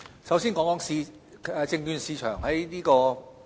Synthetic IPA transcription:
sɐ˨˥wsiː˥nkɔː˨˥ŋkɔː˨˥ŋsiː˧ | ɛː˨˧t͡sɪ˧ŋjyː˧nsiː˨˧t͡ʃʰœː˨˩ŋhɐ˨˥jniː˥kɔː˧

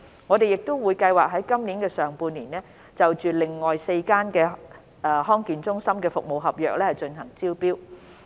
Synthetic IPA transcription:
ŋɔ˨˧d̪e˨jɪ˨k̚t̪o˥wwuː˨˧jkɐ˧jwaː˨k̚ɦɐ˨˥jkɐ˥mniː˨˥nkɛː˧sœː˨ŋpuː˧nliː˨˩nɛː˥ | t͡sɐ˨wt͡ʃyː˨˩lɪ˨˩ŋːɔː˨jse˧jkaː˥nkɛː˧ | ʔɛ˧ɦɔː˥ŋkiː˨nt͡sʊ˥ŋsɐ˥mkɛː˧fʊ˨k̚mo˨wɦɐ˨p̚jœː˨k̚lɛː˥hɐ˨jt͡ʃɵ˧nɦɐ˨˩ŋt͡siː˥wpiː˥w

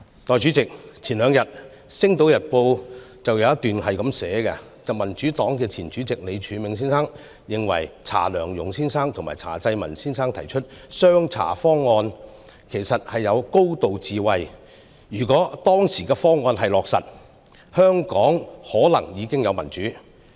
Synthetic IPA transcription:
t̪ɔː˨jt͡ʃy˨˥t͡sɪ˨k̚t͡sʰiː˨˩nlœː˨˧ŋjɐ˨t̚ | sɪ˥ŋt̪o˨˥wjɐ˨t̚po˧w | t͡sɐ˨wjɐ˨˧wjɐ˥t̪yː˨nhɐ˨jkɐ˨˧˥msɛː˨˥kɐ˧ | t͡sɐ˨mɐ˨˩nt͡ʃyː˨˥t̪ɔː˨˥ŋkɛː˧t͡sʰiː˨˩nt͡ʃyː˨˥t͡sɪ˨k̚le˨˧jt͡ʃʰyː˨˧˥mɪ˨˧ŋsiː˥nsaː˥ŋ | jɪ˨ŋwɐ̰˨˩jt͡sʰa̰ː˨˩lœː˨˩ŋjʊ˨˩ŋsiː˥nsaː˥ŋt̪ʰʊ˨ŋmaː˨jt͡sʰa̰ː˨˩t͡sɐ˧jmɐ˨˩nsiː˥nsaː˥ŋt̪ʰɐ˨˩jt͡ʃʰɵ˥t̚sœː˥ŋt͡sʰa̰ː˨˩fɔː˥ŋːɔː˧n | kʰe˨˩jsɐ˨t̚hɐ˨jːɐ˨˧wko˥wt̪o˨wt͡siː˨wɐ˨j | jyː˨˩kɔː˨˥t̪ɔː˥ŋsiː˨˩kɛː˧fɔː˥ŋːɔː˧nɦɐ˨jlɔː˨k̚sɐ̰˨t̚ | hœː˥ŋkɔː˨˥ŋhɔː˨˥lɐ̰˨˩ŋjiː˨˧kɪ˥ŋjɐ˨˧wmɐ˨˩nt͡ʃyː˨˥

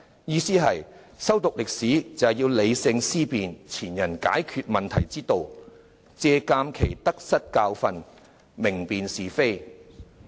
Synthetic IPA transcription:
jiː˧siː˥ɦɐ˨j | sɐ˥wt̪ʊ˨k̚lɪ˨k̚siː˨˥t͡sɐ˨˩wjiː˧wle˨˧jsɪ˧ŋsiː˥piː˨nt͡sʰiː˨˩njɐ˨˩nka̰ː˨˥jkʰyː˧t̚mɐ˨nt̪ʰɐ˨˩jt͡siː˥t̪o˨˧w | t͡sɛː˧kaː˧mkʰe˨˩jt̪ɐ˥k̚sɐ˥t̚kaː˧wfɐ˧n | mɪ˨˩ŋpiː˨nsiː˨fe˥j

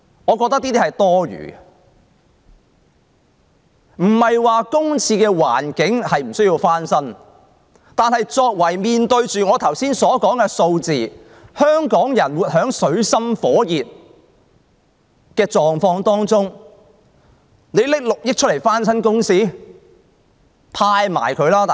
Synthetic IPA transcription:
ŋɔː˨˧kɔː˧k̚t̪ɐ˥k̚t̪iː˥t̪iː˥hɐ˨jt̪ɔː˥ɥy̰ː˨˩ | m̩˨˩hɐ˨jwaː˨kʊ˥ŋt͡sʰiː˧kɛː˧wa̰ː˨˩nkɪ˨˥ŋhɐ˨jm̩˨˩sɵ˥ɥjiː˧wfaː˥nsɐ˥n | t̪aː˨nhɐ˨jt͡sɔː˧k̚wɐ˨˩jmiː˨nt̪ɵ˧ɥt͡ʃyː˨ŋɔː˨˧t̪ʰɐ˨˩wsiː˥nsɔː˨˥kɔː˨˥ŋkɛː˧so˧wt͡siː˨ | hœː˥ŋkɔː˨˥ŋjɐ˨˩nwuː˨t̚hœː˨˥ŋsɵ˨˧˥ɥsɐ˥mfɔː˨˥jiː˨t̚ | kɛː˧t͡ʃɔː˨ŋfɔː˧ŋt̪ɔː˥ŋt͡sʊ˥ŋ | ne˨˧lɪ˥k̚lʊ˨k̚jɪ˥t͡ʃʰɵ˥le˨˩jfaː˥nsɐ˥nkʊ˥ŋsiː˥˩ | pʰaː˧jma̰ː˨˩jkʰɵ˨˧ɥlaː˥

